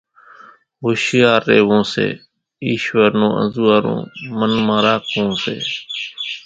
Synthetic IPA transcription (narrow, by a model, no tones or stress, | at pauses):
ɦoːʃɪjaːɾːḛːʋõːsḛː | iːʃʋəɾnõːʔə̰̃nzuːaːɾõ̰ːmənmãːɾaːkʰõːsḛː